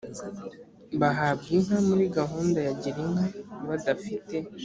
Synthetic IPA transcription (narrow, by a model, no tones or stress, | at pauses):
baɦab̚ɡiŋ̥hamuɾiɡaɦuːndajaɟiɾiŋaβadafite̞